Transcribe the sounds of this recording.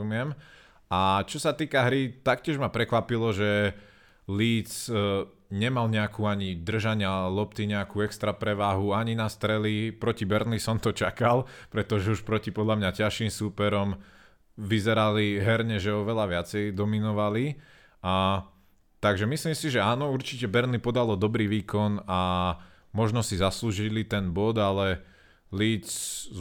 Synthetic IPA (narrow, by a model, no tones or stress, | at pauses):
umɪɛm | at͡ʃɔsat̪iːkaɦɾit̪akcɪɛʒmapɾɛkʋapilɔʒɛ | liːt͡s | ɲɛmalɲɛakuːaɲid̪r̩ʒaɲɪalɔpt̪iɲɛakuːɛkst̪ɾapɾɛʋaːɦuaɲinast̪ɾɛlipɾɔcibɛɾnlisɔmt̪ɔt͡ʃakalˠpɾɛt̪ɔʒɛuʃpɾɔcipɔd̪lamɲacaʃimsuːpɛɾɔm | ʋizɛɾaliɦɛɾɲɛʒɛɔʋɛlaʋɪat͡sɛjd̪ɔminɔʋali | a | t̪aɡʒɛmisliːmsiʒɛaːnɔuɾt͡ʃicɛbɛɾnlipɔd̪alɔd̪ɔbɾiːʋiːkɔna | mɔʒnɔsizasluːʒilit̪ɛnbɔd̪alɛ | liːt͡s